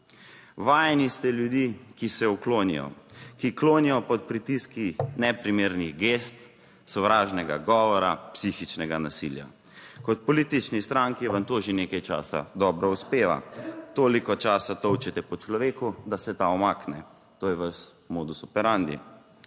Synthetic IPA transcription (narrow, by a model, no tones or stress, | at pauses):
ʋaːjnist̪ɛljud̪iːkisɛukloːnḭjɔ̰kikloːnijɔpɔt̪̚pɾit̪iskinɛpɾimeːɾniɣɡeːst̪ | sɔʋɾaːʒnɛɡa̰ɡɔːʋɔɾapsixit͡ʃnɛɡanasḭlja̰ | kɔt̪̚pɔliːt̪it͡ʃnist̪ɾaŋkiʋɐnt̪oːʒeneːkajt͡ʃa̰ːsa̰d̪ɔbɾɔuspeːʋa̰t̪oːlikɔt͡ʃaːsat̪ɔwt͡ʃɛt̪ɛpɔt͡ʃlɔʋeːkud̪asɛt̪aɔmaːknɛt̪oːjɛʋas | moːd̪usɔpɛɾand̪ḭ